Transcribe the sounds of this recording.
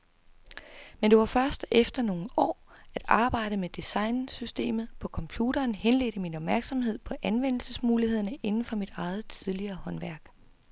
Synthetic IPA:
mend̥e̝ʋɑ̈fɶɐsd̥efd̥ɐno̝ːn̩ɒ̰ː | æd̥ɑ̈ːb̥ɑ̈ɪ̰ɾ̥əmed̥isɑ̈ɪnsysd̥e̝̰ːmð̩ˠpʰɒ̽kʰɒ̽mpʰjuːɾɐːnhenle̝̰ːd̥əminɒ̽b̥mæɐɡ̥sɒ̽mhe̝ð̞̰ˠpʰɒ̽ʔænʋen̰l̩səsmuːliheð̰ˠɐnəʔe̝nn̩fɒ̽mid̥ɑ̈ɪð̩ˠt͡sʰiðˠliɐːhɒ̽nʋæɐɡ̥

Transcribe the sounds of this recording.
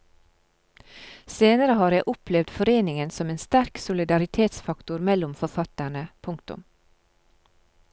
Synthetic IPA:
seːnəɾəhɑːɾjæɪʔʊplɛʋd̪fɔɾeːnɪŋənsɔmeːnst̪æɾksʊlɪd̪ɑɾɪt̪ʰeːt̪sfɑkt̪ʊɾmɛlʊmfɔɾfɑt̪æɳəpʰʊŋkt̪ʊ̰m

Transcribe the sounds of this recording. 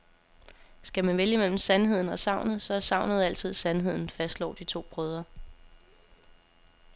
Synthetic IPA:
sɡ̥æmænʋeljəmel̰m̩sænɦe̝ð̞̰ˠn̩ɒ̽sɑ̈ʊnð̩ˠsɒ̽sɑ̈ʊ̰nð̞̩ˠæl̰t͡sʰið̞̰ˠsænɦe̝ð̞̰ˠn̩fæsd̥lɒ̰ːd̥it͡sʰo̝̰ːb̥ʁœːð̞ˠɐ

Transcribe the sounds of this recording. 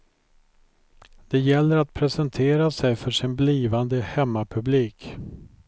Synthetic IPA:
d̪̥ɛjɛlːəɾat̪̚pʰɾɛsɛnt̪ʰeːɾasɛjfœʂɪnbliːvand̪əhɛmːapʰɵbliːk

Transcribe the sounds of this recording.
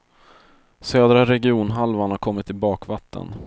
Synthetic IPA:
søːd̪ɾaɾɛɡɪuːnɦalvaɳhaɾkʰɔmːɪt̪ːɪbɑːkvat̪ʰːə̰n

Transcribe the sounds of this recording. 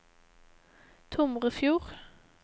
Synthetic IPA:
t̪ʰʊmʁəfjuːʁ

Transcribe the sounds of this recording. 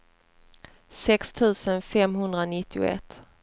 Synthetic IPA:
sɛkst̪ʰʉ̟ːsənfɛmɦɵnd̪ɾanɪt̪ʰːɪʊ̰ɛ̰t̪ː

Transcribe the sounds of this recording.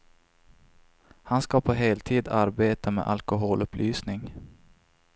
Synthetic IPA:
hanskapʰɔɦeːlt̪ʰiːd̪aɾbeːt̪amḛːʔalkʊɦoːlɵpʰlʔyːsnɪŋ

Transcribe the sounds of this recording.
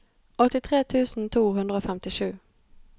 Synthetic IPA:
ʔɔt̪ːɪt̪ʰɾeːt̪ʰʉ̟ːsənt̪ʰuːɦɵnd̪ɾaofɛmt̪ɪɧʉ̟ː

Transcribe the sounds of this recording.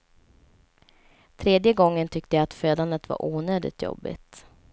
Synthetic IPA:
t̪ʰɾeːd̪jəɡɔŋːənt̪ʰʏk̚t̪əjaːt̪føːd̪and̪ət̪va̰ɾʔuːnøːd̪ɪ̰t̪ʰjɔ̰bːɪ̰t̪

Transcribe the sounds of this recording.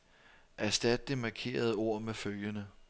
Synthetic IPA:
ʔæsd̥æd̥̚d̥emɑ̈kʰe̝̰ːɐð̞ˠo̝ɐ̰meføljənə

